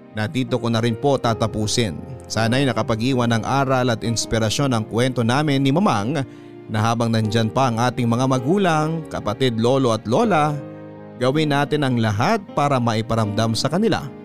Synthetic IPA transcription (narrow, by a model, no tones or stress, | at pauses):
nɐd̪iːt̪o̞konɐɾɪnpo̞t̪aːt̪ɐpuːsɪnsaːnɐjnɐkɐpɐɡʔiːwɐnɐŋʔaːɾɐlɐt̪ɪnspɪɾɐʃo̞nɐŋkwɛnt̪o̞naːmɪnːɪmɐmaŋ | nɐɦaːbɐŋnɐnd͡ʒanpɐʔɐŋʔaːt̪ɪŋmɐŋamɐɡuːlɐŋkɐpɐt̪ɪd̪lo̞ːlo̞ɐt̪lo̞ːlɐ | ɡɐwɪnːaːt̪ɪnɐŋlɐɦat̪̚paːɾɐmɐʔɪpɐɾɐmd̪amsɐkɐnɪla̰